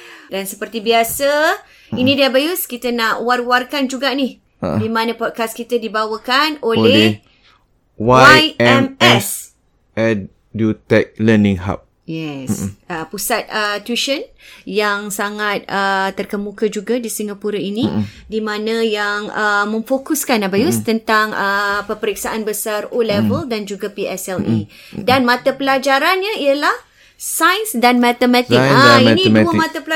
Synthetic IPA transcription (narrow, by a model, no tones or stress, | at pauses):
dansəpərt̪ibiasə | inĩdiabajuskit̪ənaʔwarwarkand͡ʒuɡaʔnih | dimãnə̃pɔd̚kaskit̪ədibawəkanole | waajɛmɛs | ɛd | dut̪ɛk̚lənĩŋɦa̰p̚ | jɛsəpusat̪̚ət̪uʃənjaŋsaŋat̪̚ət̪ːərkəmũkad͡ʒuɡadisiŋɡapuɾainĩ | dimãnə̃jaŋəmə̃ɱfokuskanabajust̪ənt̪aŋəpəpəɾik̚saʔanbəsarolɛvəldand͡ʒuɡapiɛsɛlḭ | danmãt̪apəlad͡ʒaɾanɲəiəlah | sajnsdanmat̪əmɛ̃t̪iaaiɛnĩəmãt̪apəl